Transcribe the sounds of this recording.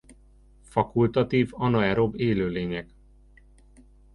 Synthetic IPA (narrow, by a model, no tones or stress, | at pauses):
fɒkult̪ɒt̪iːvɒnoɛɾo̞beːløːleːɲɛɡ